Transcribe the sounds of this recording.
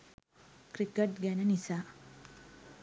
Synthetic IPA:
kɾikəʈɡɛnənisaː

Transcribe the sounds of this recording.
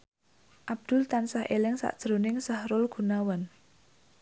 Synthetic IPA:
ʔab̚d̪̥ʊ̤lt̪ansahʔelɪŋsa̰ʔd̥ʒ̥ɾonɪŋsahɾʊlɡ̥ṳnawan

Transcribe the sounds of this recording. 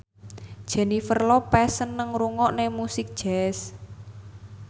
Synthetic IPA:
d̥ʒ̥ɛ̤nifərlɔpɛsənːəŋɾuŋɔʔnemusɪk̚d̥ʒ̥ɛs

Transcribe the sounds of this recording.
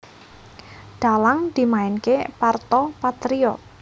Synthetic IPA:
ɖ̪̥a̤laŋd̪̥i̤maɪnkepart̪ɔpat̪ɾiɔ

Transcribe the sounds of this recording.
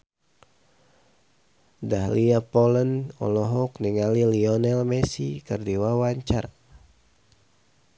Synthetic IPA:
dahliapɔlənɔ̰lɔɦɔk̚niŋaliliɔnɛlmɛsikɨrdiwawaɲt͡ʃa̰r

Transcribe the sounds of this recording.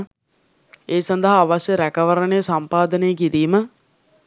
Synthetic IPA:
eːsand̪əɦaːʋasjəɾækəʋəɾənejəsampaːd̪ənejəkiɾiːmə

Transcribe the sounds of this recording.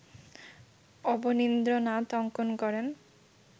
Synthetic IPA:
ɔbonind̪ɾonat̪ɔŋkonkɔɾen

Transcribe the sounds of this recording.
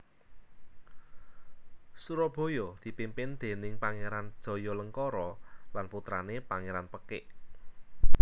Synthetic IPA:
suɾɔb̥ɔ̤jɔd̪̥i̤pimpɪnd̪̥e̤nɪŋpaŋeɾan̥d̥ɔ̤jɔləŋkɔɾɔlanput̪ɾa̰nepaŋeɾanpəkɪʔ

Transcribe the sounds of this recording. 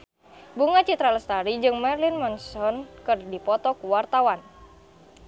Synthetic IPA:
buŋat͡ʃit̪ɾalɛst̪aɾid͡ʒɨŋmɛrlinmɔnsɔnkɨrdipɔt̪ɔkuwart̪awan

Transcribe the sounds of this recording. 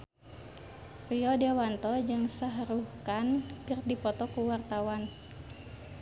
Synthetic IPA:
riɔdɛwant̪ɔd͡ʒɨŋsəɦɾukankɨrdipɔt̪ɔkuwart̪awan

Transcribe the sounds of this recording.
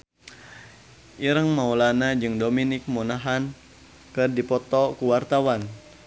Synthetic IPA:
ʔiɾəŋmaulanad͡ʒɨŋdominɪk̚munaɦan | kɨrdipɔt̪ɔkuwart̪awan

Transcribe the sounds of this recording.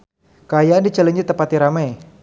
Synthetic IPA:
kəajaandid͡ʒaləɲd͡ʒit̪əpat̪iɾamɛj

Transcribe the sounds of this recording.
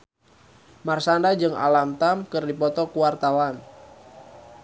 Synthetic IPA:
marsandad͡ʒɨŋa̰lamt̪amkɨrdipɔt̪ɔkuwart̪awan

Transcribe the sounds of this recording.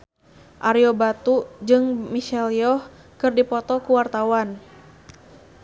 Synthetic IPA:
ʔaɾiɔbat̪ud͡ʒɨŋmiʃɛljɔh | kɨrdipɔt̪ɔkuwart̪awan

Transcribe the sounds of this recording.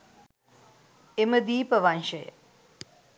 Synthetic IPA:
eməd̪iːpəʋanʃəjə̰

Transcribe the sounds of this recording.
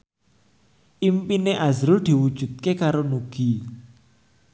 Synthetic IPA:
ʔimpineʔazɾʊld̪̥i̤wud̥ʒ̥ṳt̪̚kekaɾonuɡ̥i

